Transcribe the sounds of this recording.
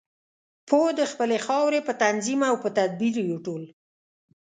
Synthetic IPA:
pʰod̪əxpəlexɑwɾepət̪anzimawpət̪ad̪̚biɾjoʈol

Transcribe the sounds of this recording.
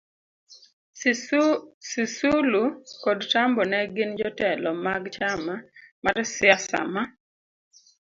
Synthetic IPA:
sisulukodt͡ʃambɔnɛɡɪnd͡ʒɔtɛlɔmaɡt͡ʃamamaɾsɪasa̰ma

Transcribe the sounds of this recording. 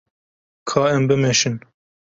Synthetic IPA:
kʰɑːɛmbɨmeʃɨn

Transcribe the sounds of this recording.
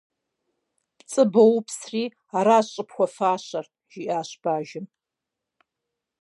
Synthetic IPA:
pt͡sʼɨbɐwpʰsriː | aːɾaːɕʼɨpxʷɔfaːɕɐr | ʒ̥ɪʔaːɕb̥aːʒɪm

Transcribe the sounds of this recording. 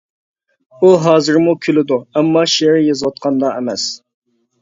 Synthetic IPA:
uɦɑːzɨɾmukʲʰylɪd̪uɛmːɑʃieɾjɑzwɑt̪̚qʰɑnd̪ɑɛmɛs

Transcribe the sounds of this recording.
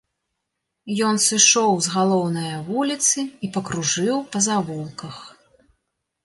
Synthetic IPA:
jɔnsɨʂɔwzɣalˠɔwnɐjɐvulʲit̪sɨipɐkɾuʐɨwpɐzavulˠkɐx

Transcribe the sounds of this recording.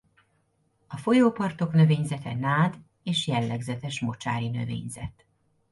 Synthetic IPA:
ɒfo̞joːpɒrt̪o̞knø̞veːɲzɛt̪ɛnaːd̪ | eːʃjɛlːɛɡzɛt̪ɛʃmo̞t͡ʃa̰ːɾinø̞̰vḛːɲzɛ̰t̪

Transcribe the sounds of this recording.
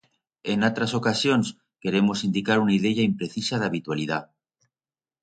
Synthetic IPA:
enat̪ɾasokasjons | keɾemosind̪ikaɾunaið̞eʝaimpɾeθisað̞aβit̪walið̞a

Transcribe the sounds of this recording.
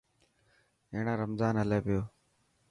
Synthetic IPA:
eːɳãːɾəmzaːnɦəleːpɪjoː

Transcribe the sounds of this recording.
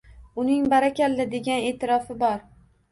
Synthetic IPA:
ʊnɪŋbaɾakʲalːɪd̪e̞ɡʲane̞ːt̪ʰɪɾɒfɪbɒɾ

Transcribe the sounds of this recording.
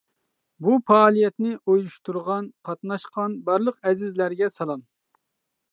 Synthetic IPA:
bufɑːlˠijɛt̪nɪʔojuʃt̪uɾʁɑnqʰɑt̪nɑʃqɑnbɑɾlˠəqɛzɪzlæɾɡʲɛsɑlˠɑn

